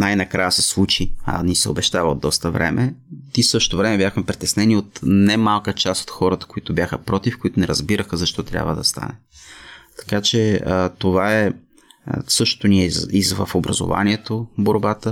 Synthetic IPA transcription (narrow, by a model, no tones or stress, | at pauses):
najnɐkɾajəsɛslˠut͡ʃiɐ̰nisɛobɛʃt̪avəo̰d̪ːɔst̪əvɾɛ̰mʔɛt̪isɤʃt̪t̪ovɾɛmɛbʲjaxmɛpɾit̪ɛsnɛniot̪nɛmalˠkət͡ʃast̪o̥t̪xɔɾət̪ə̥koit̪ʊbʲjaxəpɾɔt̪ifkoit̪ʊnɛɾɐzbiɾəxəzɐʃt̪ɔt̪ɾʲja̰bvəd̪ɐst̪a̰nɛ | t̪ɐ̥kat͡ʃɛt̪ovaɛ | sɤʃt̪o̥t̪oniɛizvəfobɾɐ̰zo̰va̰niɛt̪oboɾbat̪ə